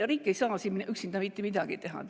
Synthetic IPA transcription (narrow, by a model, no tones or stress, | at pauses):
ɑriːkːejsɑːsiminʔyksind̪ɑmit̪ːemid̪̥ɑɡ̥ḭt̪eɦɑ̰